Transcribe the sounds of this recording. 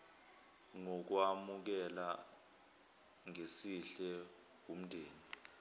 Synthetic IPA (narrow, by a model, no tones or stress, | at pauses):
ŋɔk̬wamuk̬ɛla | ŋesiɬɛ | wum̩ndʱeːni